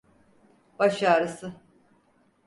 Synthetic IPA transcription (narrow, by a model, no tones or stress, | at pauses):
baʃaːɾɯsɯ